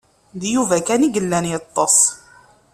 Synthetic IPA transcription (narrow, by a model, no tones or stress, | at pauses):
ðjuvækæniɡəlːænjət̪ˤːɑsˤ